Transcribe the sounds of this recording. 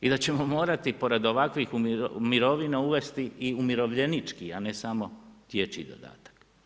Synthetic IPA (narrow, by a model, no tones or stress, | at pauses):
id̪at͡ɕe̞mo̞mo̞ːɾat̪ipo̞ɾe̞d̪o̞ʋakʋixummiɾo̞ʋinauʋe̞st̪iiumiɾo̞ʋʎe̞nit͡ʃkiane̞samo̞t̪je̞t͡ʃḭd̪o̰d̪a̰ːt̪ḁk